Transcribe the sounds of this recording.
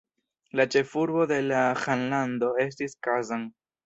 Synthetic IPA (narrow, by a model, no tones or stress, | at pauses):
lat͡ʃe̞fuɾbo̞de̞laxanlando̞e̞s̬tiskazaŋ